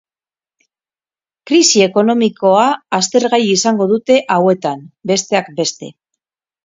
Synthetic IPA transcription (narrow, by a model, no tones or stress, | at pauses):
kɾisie̞ko̞no̞miko̞aːst̪e̞ɾɣajiisaŋɡo̞ð̞ut̪e̞ʔawe̞t̪ambe̞st̪e̞ak̚be̞st̪e̞̰